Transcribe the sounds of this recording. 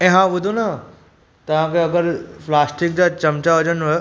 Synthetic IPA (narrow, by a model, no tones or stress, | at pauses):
ɛ̃ɦãʋʊd̪ʱona | t̪ɐʋ̤ãkeɐɡəɾplaːsʈɪk̚d͡ʑat͡ɕɐmt͡ɕaɐd͡ʑənɦo